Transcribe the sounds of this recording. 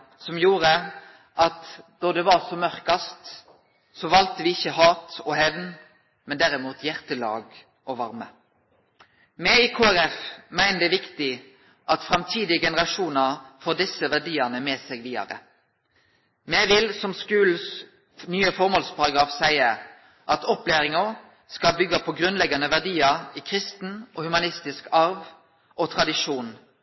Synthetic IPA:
sɔmjuːʁə | ʔɑt̪d̪̥ɔd̪ɛʋɑsɔmœʁkɑst̪ | sɔʋɑlt̪əʋɪɪçːəɦɑːt̪ɔhɛʋn | mɛnd̪æɾɪmuːt̪ʰjæʁt̪əlɑ̰ːɡ | ʔɔʋɑɾmə | mɛikʰoːæɾɛfmæɪnəd̪ɛʋɪkt̪ɪ | ʔɑt̪fɾɑmt̪ʰiːd̪ɪəɡɛnəɾɑʂuːnɑfoːd̪ɪsəʋæʁɖiːənəmeːsɛːɡʋiːd̪ɑ̰ɾə̰ | mɛʋɪlsɔmskʉːl̩s | nyːəfɔʁmoɔːlspʰɑɾɑɡɾɑːfsæɪəɾ | ʔɑt̪ɔpleːɾɪŋə | skɑlbʏɡːəpʰɔɡʁʉnlɛɡɑnəʋæʁɖ̪iːɑʁiːkʰʁɪst̪n̩ʔɔhʉmɑnɪst̪ɪskɑɾʋ | ʔɔt̪ʰʁɑd̪ɪʃuːn

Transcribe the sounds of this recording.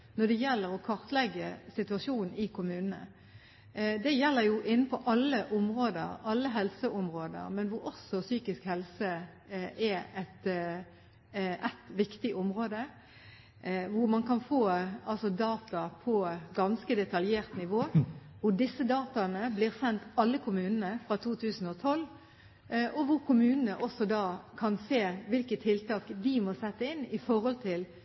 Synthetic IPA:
nɔd̪ɛjɛlːəɾɔkʰɑʁt̪əlɛɡːəsɪt̪ʉɑʂuːnn̩ɪkʰʊmʉːnənə̰ | d̪ɛjɛlːəɾjʊʔɪn̩ːpʰɔʔɑlːəʔʊmʁoːd̪əɾɑlːəɦɛlsəʔɔmɾoːd̪ə̰ɾmɛnʋʊɾɔsɔsyːkɪskhɛlsə | ʔɛɛt̪ | ʔæt̪ʋɪkt̪ɪʔɔmʁoːd̪ə | ʋʊɾmɑnkɑnfoːɑlsɔd̪ɑːt̪ɑpʰɔɡɑnskəd̪ɛt̪ɑljeːʁt̪nɪʋoːʋʊɾɖɪsːəd̪ɑːt̪ɑnəblɪːʁsɛnt̪ɑlːəkʰʊmʉːnənəfɾɑt̪ʰuːt̪ʰʉːsn̩ɔt̪ʰɔlː | ʔɔʋʊɾkʰʊmʉːnənəʔɔsːɔd̪ɑːkʰɑnseːʋɪlkət̪ʰːɪlt̪ɑːkd̪ɪmɔsɛt̪ːəɪnːɪfɔɾhɔlt̪ʰɪl

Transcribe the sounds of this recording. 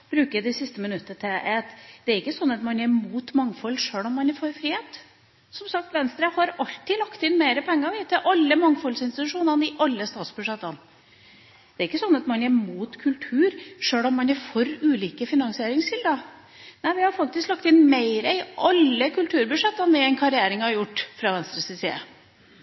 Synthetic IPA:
b̥ɾʉːkəd̪ɛsɪst̪əmɪnʉt̪ːət̪ʰɛɛt̪d̪̥ɛæɾɪkːəsɔnːɑt̪mɑnjɛmuːt̪mɑŋːfɔlːʂøːɭɔmːɑnɛfɔɾfɾiːheːt̪ | sɔmsɑk̚t̪ʋɛnst̪ɾəhɑɾɑlt̪ːɪlɑkt̪ɪnmeɪɾəpʰɛŋːəɑʋɪt̪ʰɪlʔɑlːəmɑŋfɔlsɪnst̪ɪt̪ʉʂuːnənɪʔɑlːəst̪ɑːt̪sbʉʂɛt̪ːɑn | d̪̥ɛæɾɪkːəsɔnːɑt̪mɑnjɛmuːt̪kʰʉlt̪ʰʉːɾʂøːɭɔmːɑnɛfɔɾʉːliːkəfɪnɑŋsɪeːɾɪŋsɪld̪ə | næɪʋɪhɑɾfɑk̚t̪ɪsklɑkt̪ɪnmeɪɾəɪʔɑlːəkʰʉlt̪ʰʉːɾbʉʂɛt̪ːənʋɛɛnkʰɑɾɪæːɾɪŋhɑɾjʊʈːfɾɑʋɛnst̪ɾəsɪsḭːə̰

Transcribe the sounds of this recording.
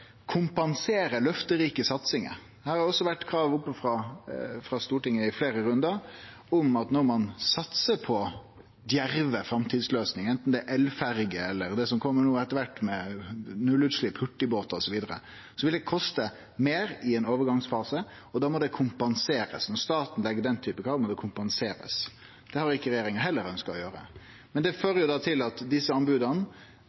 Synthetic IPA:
kʰʊmpɑnseːɾəlœft̪əɾiːkəsɑt̪sɪŋə̰ | hæːɾhɑɾɔsːɔʋæʈːkʰɾɑːʋʊpːəfɾɑfɾɑst̪uːʈɪŋːəɪfleːɾəɾʉnd̪əɾ | ɔmɑt̪nɔɾmɑnsɑt̪səpʰɔ | d̪jæɾʋəfɾɑmt̪ʰiːd̪sløːsnɪŋɛnt̪n̩d̪ɛæʔɛlfæɾɡəɛlːəɾd̪ɛsɔmkʰɔmːəɳuːɛt̪ːəɾʋæʈːmɛnʉlːʉd̪sʂliːphʉʈːɪboːt̪ɑɔsɔʋiːd̪əɾə̰ | sɔʋɪld̪ɛkʰɔst̪ə | meːɾɪɛnoːʋəɾɡɑŋsfɑːsə | ɔd̪ɑːmɔd̪ɛkʰʊmpɑnseːɾə̰snɔɾst̪ɑːt̪n̩lɛɡːəd̪ɛnt̪ʰyːpəkʰɾɑːʋmɔd̪ɛkʰʊmpɑnseːɾə̰s | d̪̥ɛhɑɾɪkːəɾɛjeːɾɪŋəɦɛlːəɾœnskɑɔjøːɾə̰ | mɛnd̪ɛføːɾəjʊd̪ɑːt̪ʰɪlɑt̪d̪ɪsːəɑnbʉːd̪ən

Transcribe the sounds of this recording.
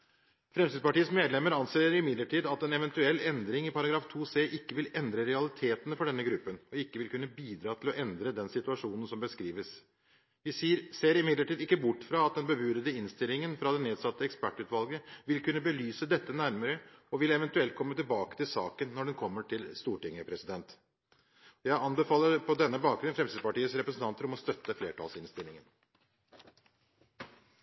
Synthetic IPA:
fɾɛmsiːd̪spɑʈiːəsmeːd̪lɛmːəɾɑnseːəɾɪmɪd̪ləʈʰiːd̪ɑt̪ɛnɛʋɛnt̪ʉɛlːɛnd̪ɾɪŋɪpɑɾɑɡɾɑːft̪ʰuːseːʔɪkːəʋɪlɛnd̪ɾəɾɛɑlɪt̪ʰeːt̪ənəfɔɖɛnːəɡɾʉpːənɔɪkːəʋɪlkʉnːəbiːd̪ɾɑːt̪ʰɪlɔʔɛnd̪ɾəd̪ɛnsɪt̪ʉɑʂuːnən̩sɔmbəskɾiːʋəs | ʋɪsiːɾseːɾɪmɪd̪ləʈiːd̪ɪkːəbʊʈːfɾɑɑt̪̚d̪ɛnbəbʉːɾəd̪əɪnst̪ɪlːɪŋənfɾɑd̪ɛneːd̪sɑt̪ːəɛkspæʈːʉːt̪ʋɑlˠɡəʋɪlkʉnːəbəlyːsəd̪ɛt̪ːənæɾməɾəɔʋɪlɛʋɛnt̪ʉɛlt̪̚kʰɔmːət̪ɪlbɑːkə̥t̪ʰɪlsɑːkənːɔɖɛnkʰɔmːəʈʰɪlst̪uːʈɪŋəpʰɾɛsɪd̪ɛnt̪ | jæɪɑnbəfɑːlːəɾpʰɔd̪ɛnːəbɑːk̚ɡɾʉnfɾɛmsiːd̪pɑʈiːət̪sɾɛpɾəsn̩t̪ɑnt̪əɾɔmɔst̪œt̪ːəfleːʈʰɑ̰ːlsɪnst̪ɪlːɪŋən

